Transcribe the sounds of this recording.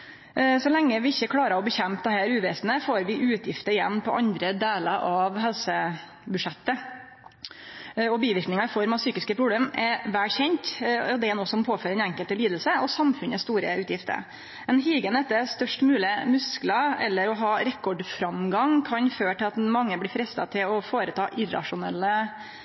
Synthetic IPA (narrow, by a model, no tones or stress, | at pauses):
sɔlɛŋːəʋɪɪçːəkʰlɑːɾəɔbəçɛmpd̪ɛhæːɾʉːʋɛːsnəfoːɾʋɪʔʉːt̪ʰjɪft̪əɾɪjɛ̰nːpʰɔʔɑnd̪ɾəd̪eːləɾʔɑʋhɛlsə | bʉʂɛt̪ːə | ɔbiːʋɪɾknɪŋɑfɔɾmɑʋsyːkɪskəpʰɾʊbleːmɛɾʋæːlçɛɲt̪ɔd̪ɛæɾnoːsɔmpʰoːføːɾɛnæŋkəlt̪əliːd̪əl̩səɔsɑmfʉnəst̪uːɾəʉːt̪jɪft̪ə̰ɾ | ɛnɦiːɡənɛt̪ːəst̪œʂʈmʉːlɪmʉsklɑɛ̰lːəɾɔɦɑːɾɛkːɔɖfɾɑmɡɑŋkʰɑnføːʈɪlɑt̪mɑŋːəblɪːfɾɛst̪ɑ̰t̪ʰɪlɔfoːɾət̪ʰɑːʔɪɾɑ̰ʂʊnɛ̰lːə